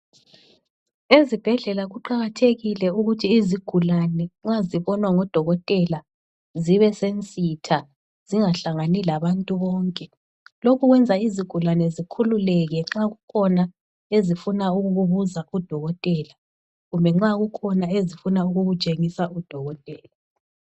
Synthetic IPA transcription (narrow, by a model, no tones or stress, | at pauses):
ezib̥ʱɛɮɛlaɣuǃaɣatʰeɣilɛuɣutʰiːziɡ̥ʱulanɛŋ͡ǁaziβɔnwaŋɔd̥ʱɔɣɔtʼɛla | ziβɛsent͡sʼitʰa | z̥iŋaɬaŋanilaβantʼuβɔːŋkʼɛ | lokʰuɣwɛnd͡zʱaiziɡ̥ʱulanɛzikʰululɛɣɛŋ͡ǁaɣukʰɔna | ezifunauɣuɣuβuzaud̥ʱɔɣɔtʼɛːla | ɣumbʱɛŋ͡ǁaɣukʰɔnaezifunauɣuɣu̥t͡ʃʼeŋisaud̥ʱɔɣɔtʼɛːla